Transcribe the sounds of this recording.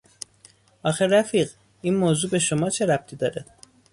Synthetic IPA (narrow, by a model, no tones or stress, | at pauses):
ʔɒːxeɾæfiːɢ | iːnmoːzuːbe̞ʃo̞mɒːt͡ʃʰe̞ɾæp̚t̪ʰiːd̪ɒːɾæd̪̥